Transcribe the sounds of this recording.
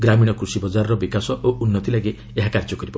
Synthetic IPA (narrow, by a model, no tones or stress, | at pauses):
ɡɾamiɽ̃ɔkɾusibɔd͡ʒaɾɔɾɔbikasɔʔoʔunːɔt̪ilaɡe | eɦakaɾd͡ʒɔkɔɾibɔ